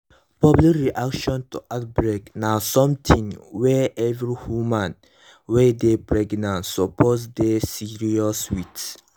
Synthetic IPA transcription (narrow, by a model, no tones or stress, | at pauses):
pɔblikɹiʔakʃɔ̃ntuʔat̚bɹeknasɔ̃mtʰĩŋwɛʔɛvɹihumãn | wɛdepɹɛɡnãntsɔpʰozdesiɹiɔswit